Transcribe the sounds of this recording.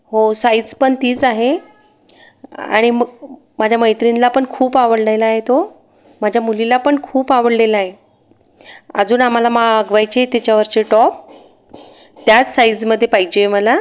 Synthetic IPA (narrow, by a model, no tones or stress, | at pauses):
ɦosajd͡zpəɳt̪iːt͡saɦe | a̰ɽ̃iməɡ | mad͡ʑʱjaməjt̪ɾinlapəɳkʰuːpaʋəɽlajlaːɦet̪o | mad͡ʑʱjamulilapəɳkʰuːpaʋəɽlelaaɦe | ə̰d͡zuːnam̤alamaəɡʋajt͡ɕet̪jat͡ɕaʋəɾt͡ɕeʈɔp̚ | t̪jat͡ssajd͡zməd̪ʱːjepaɦid͡ʑeməla